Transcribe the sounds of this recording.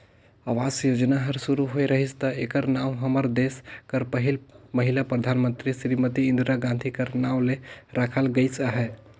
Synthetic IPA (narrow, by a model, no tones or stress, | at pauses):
aʋaːsjoːd͡ʒnaɦəɾsuɾuɦoeɾəɦist̪əeːkəɾnaːwɦəməɾd̪eːskəɾpəɦɪlməɦɪlapɾəd̪ʱaːnmə̃nt̪ɾiʃɾimət̪iɪ̃nd̪ɾaɡãːnd̪ʱikəɾnaːwleɾakʰəlɡəisaɦɛː